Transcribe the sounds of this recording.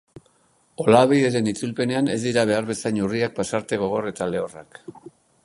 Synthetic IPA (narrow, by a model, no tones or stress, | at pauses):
o̞laβiðeɾe̞nit͡sulpe̞ne̞ane̞zd̪iɾaβ̞e̞aɾβe̞sajɲuriak̚pasaɾt̪e̞ɣo̞ɣ̞o̞re̞t̪ale̞o̞rak